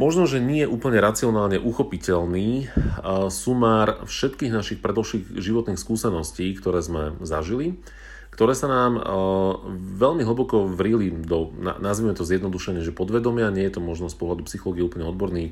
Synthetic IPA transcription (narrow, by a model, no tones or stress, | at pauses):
mɔʒnɔʒɛɲɛjɛʔuːpl̩ɲɛɾat͡siɔnaːlɲɛʔuxɔpicɛlniː | sumaːɾfʃɛt̪kiːɣnaʃixpɾɛd̪ɔlʃiːɣʒiʋɔt̪niːxskuːsɛnɔsciːkt̪ɔɾɛːzmɛzaʒili | kt̪ɔɾɛːsanaːm | ʋɛʎmiɦ̩bɔkɔʋɾilid̪ɔna̰nazʋimɛt̪ɔzjɛd̪nɔd̪uʃɛɲɪɛʒɛpɔd̪ʋɛd̪ɔmɪaɲɪɛjɛt̪ɔmɔʒnɔspɔɦlad̪upsixɔlɔːɡiɛuːpl̩ɲɛɔd̪̚bɔɾniː